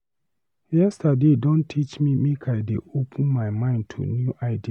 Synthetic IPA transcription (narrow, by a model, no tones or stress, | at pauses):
jɛstadedɔ̃ntʰit͡ʃmimekʰajdeʔopʰə̃nmaɪmãɪ̃ntʰṵnjuʔaɪdi